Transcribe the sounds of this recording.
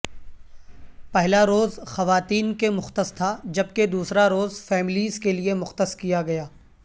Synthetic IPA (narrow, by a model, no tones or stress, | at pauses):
pɛɦlaɾoːzxɐʋaːt̪iːnkemʊxt̪əst̪ʰad͡ʒɐb̚ked̪uːsɾaɾoːzfɛːmɪliːzkeliemʊxt̪əskijaɡɐjaː